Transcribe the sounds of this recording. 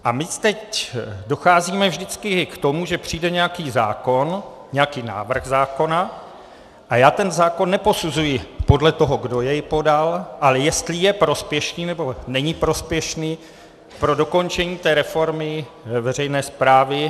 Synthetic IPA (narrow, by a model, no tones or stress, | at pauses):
ʔamɪst̪ɛcdo̞xaːziːmɛvʒdɪt͡skɪkt̪o̞muʒɛpr̥iːdɛɲɛjakiːza̰ːko̞n | ɲɛjakiːna̰ːvr̩ɣzaːko̞na | ʔajaːt̪ɛnzaːko̞nːɛpo̞suzujɪpo̞dlɛt̪o̞ɦo̞ɡdo̞jɛjpo̞dalʔalɛjɛst̪lɪjɛpɾo̞spjɛʃniːnɛbo̞nɛɲɪpɾo̞spjɛʃniː | pɾo̞do̞ko̞nt͡ʃɛɲiːt̪ɛːɾɛfo̞ɾmɪ | vɛr̝ɛjnɛːspɾaːvɪ